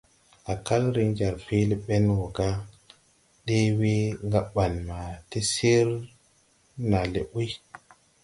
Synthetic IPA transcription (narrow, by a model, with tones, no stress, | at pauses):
a˨ka˦lɾi˦nd͡ʒa˨ɾfi˦le˦ɓe˦nwo˨ɡa˦ | ɗe˦we˦ŋɡa˦ɓa˨nma˨ti˦se˦ɾ | na˨lḛ˨ʔi˦